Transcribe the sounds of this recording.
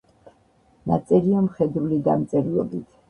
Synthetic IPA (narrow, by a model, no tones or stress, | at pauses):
na̰t̪sʼɛɾiamχɛd̪ɾulid̪a̰mt̪sʼɛɾiɔbit̪ʰ